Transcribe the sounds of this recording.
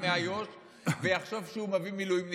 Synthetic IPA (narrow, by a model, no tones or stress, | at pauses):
meajoʃ | vejaχʃovʃeumavimilujimn